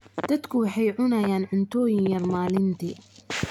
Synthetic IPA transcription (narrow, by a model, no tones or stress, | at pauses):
d̪̥ɐd̪kʰʊwɑħɑjʕʊnɐjaːnʕʊnt̪ʰɔːjɪŋjɐrmaːlɪnt̪ʰiː